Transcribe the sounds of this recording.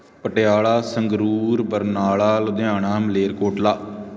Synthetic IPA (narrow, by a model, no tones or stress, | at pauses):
pəʈeaːɭaːsəŋɡɾuːɾbəɾnaːɭaːlʊd̪ɪãːɳaːməleːɾkoːʈlaː